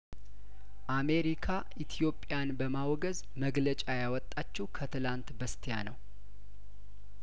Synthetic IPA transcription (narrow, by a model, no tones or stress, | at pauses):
ʔame̞ɾikʰa | ʔit̪ʰjo̞pʼːjanbəmawɡəz | məɡlət͡ʃʼajawɔt̪ʼːat͡ʃːɛwkʰət̪ʰɨlant̪bəst̪ʰijanəw